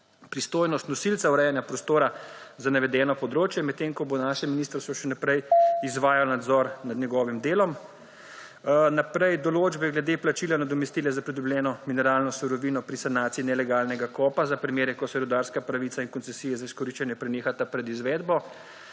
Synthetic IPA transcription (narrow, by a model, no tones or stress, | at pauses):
pɾist̪oːjnɔst̪nɔsilt̪sawɾɛjanjapɾɔst̪oːɾazanaʋɛd̪ɛːnɔpɔd̪ɾoːt͡ʃjɛmɛt̪ːeŋkɔbonaʃɛminist̪əɾst̪ʋɔʃɛnapɾɛjizʋaːjalnad̪zɔɾnad̪njɛɡɔːʋimd̪eːlɔm | napɾɛjd̪ɔloːd͡ʒbɛɡlɛd̪eplat͡ʃiːlanad̪ɔmɛst̪iːlɛzapɾid̪ublʲɛːnɔminɛɾaːlnɔsuɾɔʋiːnɔpɾisanaːt̪siinɛlɛɡaːlnɛɡakɔːpazapɾimeːɾɛkɔsɛɾud̪aɾskapɾaʋit̪sainkɔntsɛsijɛzaiskɔɾiʃt͡ʃɛnjɛpɾɛneːxat̪apɾɛd̪izʋɛd̪bɔ